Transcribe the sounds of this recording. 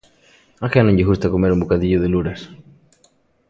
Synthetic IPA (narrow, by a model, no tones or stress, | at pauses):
axanõɲɟexust̪akomeɾumbokaðiʎoðeluɾas